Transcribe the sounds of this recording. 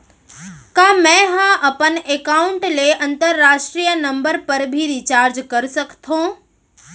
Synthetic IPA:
kaːmɛ̃ːɦãʔɐpənekaːʊɳʈleʔɐ̃nt̪əɾːaːʃʈɾijənɐ̃mbəɾpɐɾbʱiɾit͡ɕaːɾd͡ʒkɐɾsəkt̪ʰõː

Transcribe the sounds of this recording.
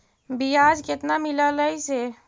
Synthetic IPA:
bijad͡ʒket̪namilələise

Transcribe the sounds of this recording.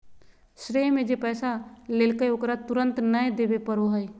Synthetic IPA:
ʃɾeːmẽd͡ʒepɛːsaleːlkəokɾat̪ʊɾə̃nt̪nəẽd̪eːbepəɾoɦəj

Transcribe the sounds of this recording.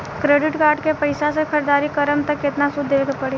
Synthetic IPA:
kɾeːɖɪʈkaːɾɖkepɐɪsasekʰəɾd̪aːɾikɐɾəmt̪ɐkːɪt̪nasʊd̪ʱːeːkpɐɽe

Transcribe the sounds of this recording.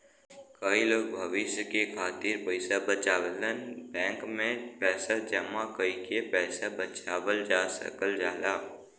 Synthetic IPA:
kəiloːɡ̚bʱəʋɪʃjəkekʰaːt̪iɾpəɪsabət͡ʃaːʋələnbɛ̃ːŋkmẽpɛːsad͡ʒəmakəikepɛːsabət͡ʃaːwəld͡ʒaːsə̰kəld͡ʒaːlaː

